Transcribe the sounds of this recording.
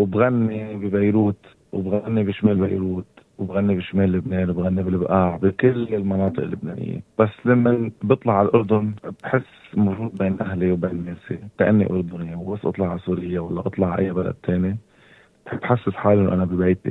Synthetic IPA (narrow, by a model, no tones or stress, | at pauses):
wbɣanːibibajɾuːt̪ | wbɣanːibiʃmeːlba̰jɾuːt̪wɪbɣanːibiʃmeːlːɪbneːnwɪbɣanːibɪlɪbʔaːʕbikɪlːɪlmɑnɑːt̪ˤɨʔɪlːʊbnḛːnɪ̰jːḛb̥asːlamːanbɨt̪ˤlɑʕalʔʊɾd̪ʊnb̥ħɪsːmawʒuːd̪̚beːnʔaɦliwbeːnmeːsik̪aʔa̰nːḭʔʊ̰ɾd̪ʊnjawbasːʔɑ̰t̪ˤlɑʕasuːɾɪjːawalːaʔɑt̪ˤlɑʕʔa̰jːabala̰d̪̚t̪ʰeːni | b̥ħb̥ħasːɪsħaːlʔɪnːoʔanabibejt̪ḭ